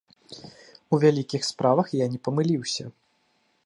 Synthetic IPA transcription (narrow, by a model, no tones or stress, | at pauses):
uvʲalʲikʲixspɾʔavɐxjanʲɛpɐmɨlʲiwsʲɐ̰